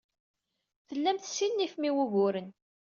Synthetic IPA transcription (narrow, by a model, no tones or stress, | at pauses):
θəlːæmθsinːifmiwuʝʊɾən